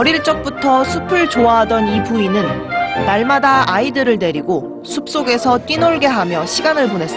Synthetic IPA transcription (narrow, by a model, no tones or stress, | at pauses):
ʌɾiɭt͡ɕ͈ʌk̚p͈utʰʌsʰupʰɯɭt͡ɕoaɦadʌnipuinɯnːaɭmadaʔaidɯɾɯɭne̞ɾiɡo | sʰup̚s͈oɡe̞sʰʌt͈inoɭɡe̞ɦamjʌɕʰiɡanɯɭpone̞s͈ʌ